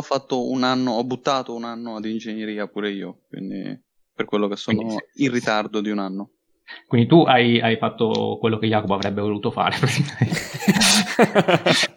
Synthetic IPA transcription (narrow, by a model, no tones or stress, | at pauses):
ɔfːat̪ːounanːoɔbːut̪ːaːt̪ounanːoad̪ind͡ʒenjeɾiːapuːɾeiːokwḭnd̪ḭ | perkwelːokesːoːnoirːit̪ard̪od̪iunanːo | kwind̪it̪uʔajajfat̪ːokwelːokejːaːkoboavɾɛbːevoluːt̪ofa̰ːɾepɾet̪ikament̪